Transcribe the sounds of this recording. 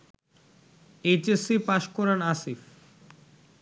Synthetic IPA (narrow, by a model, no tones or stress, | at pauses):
ejt͡ɕesipaʃkɔɾanasif